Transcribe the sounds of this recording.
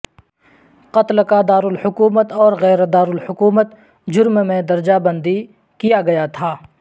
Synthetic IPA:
qɐt̪lkad̪aːɾʊlhʊkuːmət̪ɔːɾɣɛːɾd̪aːɾʊlhʊkuːmət̪ | d͡ʒʊɾmmẽd̪ɐɾd͡ʒabə̃nd̪i | kijaɡɐjat̪ʰaː

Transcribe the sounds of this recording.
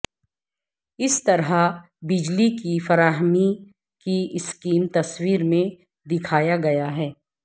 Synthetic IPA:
ɪst̪ɐɾɦa | bɪd͡ʒlikifɐɾaːɦmi | kiɪskiːmt̪ɐswiːɾmẽ | d̪ɪkʰaːjaɡɐjaɦɛː

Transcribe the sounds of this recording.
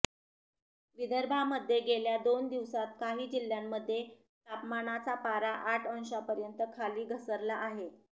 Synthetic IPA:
ʋid̪əɾbʱaməd̪ʱːjeɡeljad̪ond̪iʋsat̪̚kaɦiːd͡ʑil̤ːjamːəd̪ʱːje | t̪apmanat͡sapaɾaʔaʈʰənɕapəɾjənt̪əkʰaliːɡʱəsəɾlaʔaɦe

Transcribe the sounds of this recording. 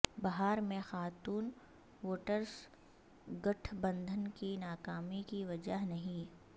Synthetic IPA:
bɐɦaːɾmẽxaːt̪uːn | ʋoːʈəɾs | ɡɐʈʰbɐ̃nd̪ʱənkinaːkaːmikiʋɐd͡ʒaɦnɐɦĩ

